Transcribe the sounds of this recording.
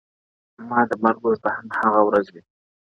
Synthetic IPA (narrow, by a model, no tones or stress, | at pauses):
mɑd̪əmaɾɡoɾt̪ahamhaɣawɾazwi